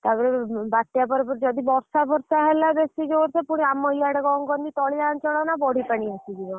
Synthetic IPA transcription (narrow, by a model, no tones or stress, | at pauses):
t̪abɔɾebaʈːjapɔɾpɔɾd͡ʒɔd̪ibɔɾsabʱɔɾsaɦɛlabesid͡ʒeɾsepuɽ̃iamːɔjaɽeɡɔŋɡɔnd̪it̪ɔɭilant͡ʃɔɽɔnabɔɽ̤ʱipaɽ̃iasid͡ʒ̪iɡɔ